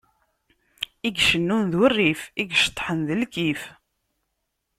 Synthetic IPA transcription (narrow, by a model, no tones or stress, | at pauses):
iɡʃənːunðʊrːifiɡʃt̪ˤːħənðəlkif